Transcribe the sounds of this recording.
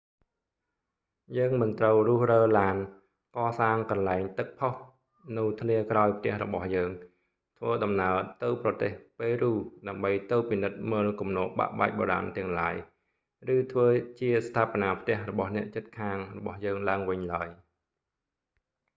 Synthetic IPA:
jəːŋmɨnt̪rəwrʊ̆əhrəːlaːn | kɑːsaːŋkɑnlaɛŋt̪ɨk̚pʰoh | nɨwt̪ʰliəkraɔjpʰt̪ɛ̆əhrɔɓɑhjəːŋ | t̪ʰʋəːɗɑmnaət̪ɨwprɑt̪eːhpeːɾuːɗaəmɓəjt̪ɨwpinɨt̪̚məːlkumnoːʔɓa̰ʔɓaːk̚ɓoːɾa̰nt̪ɛ̆əŋlaəj | rɨːt̪ʰʋəːt͡ɕiəst̪ʰaːponaːpʰt̪ɛ̆əhrɔɓɑhnɛ̆əʔt͡ɕɨt̪̚kʰaːŋrɔɓɑhjəːŋlaəŋʋɨɲlaəj

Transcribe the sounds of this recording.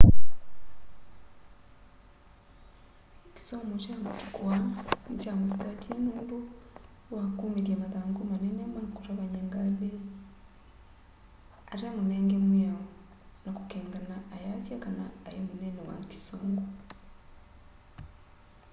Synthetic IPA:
ki̥somɡot͡ʃamutu̥kwanit͡ʃamusi̥tatʰinuːndu | wakuːmeɾiamaðaːŋɡomanenɛmanakutaβaɲeŋɡaβe | aɾamunɛːŋɡemwjao | nakukeːŋɡanaʔajasjakanaːjemunenɛwa̰ŋki̥soːŋɡu

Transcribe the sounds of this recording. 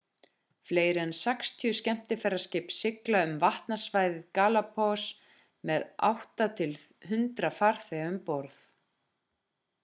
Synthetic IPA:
fleːjɾɪɛnsɛkst̪ʰjʏscɛm̥t̪ɪfɛɾːascɪːpsɪklaʏmvaht̪nasvaːjðɪðkaːlapʰɔs | mɛða̰wht̪at̪ʰɪlθhʏnt̪ɾafar̥θɛʏmpɔɾθ

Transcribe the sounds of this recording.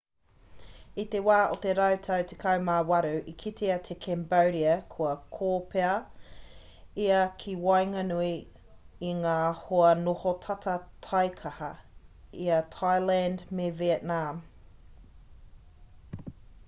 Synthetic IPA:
it̪ewaːʔot̪eɾɐwt̪ʰɐwt̪ʰekʰɐwmawɐɾʉʔikʰit̪ʰeɐt̪ʰekʰɛmbɐwɾiɐkʰuɐkʰoːpeɐ | iɐkʰiwɑjŋɐnui | iŋaːhoɐnohotʰɐtʰɐtʰɑjkʰɐhɐiɐtʰajlændmevietnam

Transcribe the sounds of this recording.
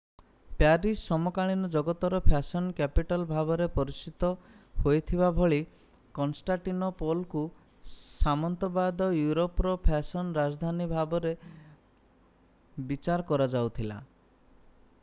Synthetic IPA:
paɾisːɔmɔkaɭ̃inɔd͡ʒɔɡɔt̪ɔɾɔpʰasɔnkɛpiʈɔlbʱabɔɾepɔɾit͡ʃit̪ɔ | hojt̪ʰibabʱɔɭi | kɔnsʈaʈinɔpolku | samɔnt̪ɔbad̪ɔjuɾopɾɔpʰasɔnɾad͡ʒd̪ʱanibʱabɔɾe | bit͡ʃaɾɔkɔɾad͡ʒawt̪ʰila̰

